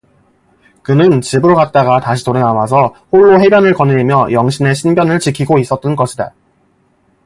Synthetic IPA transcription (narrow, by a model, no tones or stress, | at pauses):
kɯnɯnt͡ɕibɯɾokat̚t͈aɡataɕʰitoɾenawasʰʌhoɭːoɦe̞bjʌnɯɭkʌnɯɾimjʌjʌŋɕʰine̞ɕʰinbjʌnɯɭt͡ɕikʰiɡois͈ʌt̚t͈ɯnɡʌɕʰida